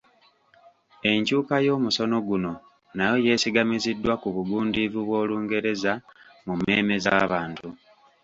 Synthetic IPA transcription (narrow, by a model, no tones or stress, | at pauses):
e̞ɲcuːkajo̞ːmuso̞no̞ɡuno̞ | najo̞je̞ːsiɡamizidːwakuβuɡuːndivuβwo̞ːluːŋɡe̞ɾe̞zamume̞ːme̞zaβaːntu